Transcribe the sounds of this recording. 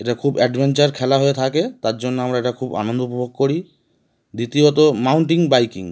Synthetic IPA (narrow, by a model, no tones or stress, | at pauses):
eʈakʰubɛɖbʱent͡ɕaɾkʰɛlaɦoet̪ʰaket̪aɾd͡ʑonːoamɾaeʈakʰuba̰nond̪oupobʱoɡ̚koɾi | d̪it̪iot̪̬omawɳʈiŋbajkḭŋ